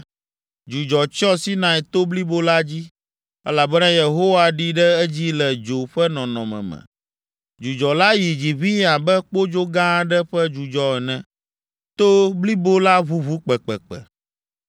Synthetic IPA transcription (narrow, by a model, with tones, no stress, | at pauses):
d͡ʒu˨d͡ʒɔ˨t͡ʃɔ˦si˦nã˨ɛ˨t̪o˦bli˦bo˦la˦d͡ʑi˦ | ɛ˦la˨bɛ˦nã˦je˨ɦo˦wa˦ɖi˦ɖɛ˦ɛ˦d͡ʑi˦lɛ˨d͡ʒo˨ɸɛ˦nɔ̃˨nɔ̃˨mɛ̰̃˨mɛ̰̃˨ | d͡ʒu˨d͡ʒɔ˨la˦ji˨d͡ʑi˨βi˦a˨bɛ˦k͡po˦d͡ʒo˦ɡã˦ɖɛ˦ɸɛ˦d͡ʒu˨d͡ʒɔ˦ɛ˨nɛ̃˨ | t̪o˦bli˦bo˦la˦βu˦βu˦k͡pɛ˨k͡pɛ˨k͡pɛ̰˨